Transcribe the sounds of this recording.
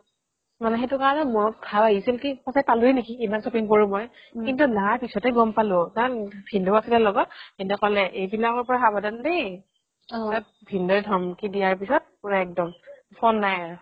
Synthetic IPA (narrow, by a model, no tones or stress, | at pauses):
manɛxetʊkaɹɔnɛmɔɹɔt̚kʰawaɡisilkipɔsajpalʊɛnekiimansopiŋkoɹũmɔj | kintulaaɹpisɔtɛɡɔmpalʊkaɹɔnbʰʱindɔasilɛlɔɡɔkintɔkɔlɛʔejbilakɔɹpɔɹaxabɔdandej | a | bʱindɔjdʱɔmkidijaɹpisɔt̚puɹaɛk̚dɔmpʰɔnːajaɹ